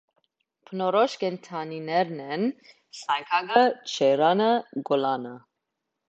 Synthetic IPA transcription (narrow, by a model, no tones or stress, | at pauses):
pʰənɔɾɔʃkɛnt̪ʰɑninɛɾnɛn | saŋkʰɑɡət͡ʃʰɛɾɑnəɡɔlɑnə